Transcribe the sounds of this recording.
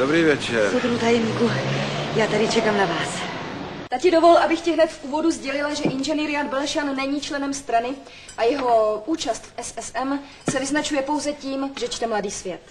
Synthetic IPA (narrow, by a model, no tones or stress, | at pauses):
dobɾiːvjɛt͡ʃɛɾod̪ɾuut̪ajɛmɲikujaːt̪aɾɪt͡ʃɛkaːmnavaːs | t̪acɪdovo̞lʔabɪxcɪɦnɛt̪fʔuːvo̞duzɟɛlɪlaʒɛʔɪnʒɛnɪɾɪjad̪̚bɛlɛʃanːɛɲiːt͡ʃlɛnɛmst̪ɾanɪ | ʔajɛɦo̞uːt͡ʃast̪fʔɛsɛsɛm | sɛvɪznat͡ʃujɛpo̞wzɛciːmʒɛt͡ʃt̪ɛmladiːsvjɛt̪